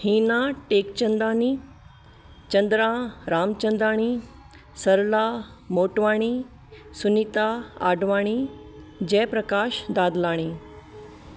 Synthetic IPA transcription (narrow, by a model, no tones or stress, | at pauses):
hiːnãʈekt͡ɕənd̪aːniː | t͡ɕənd̪ɾãɾaːmt͡ɕənd̪ɾaːɽ̃iː | səɾla | moːʈʋaːɽ̃i | sunit̪aa̰ɖʋaːɽ̃iːd͡ʑɛpɾəkaːɕd̪ad̪laːɽ̃iː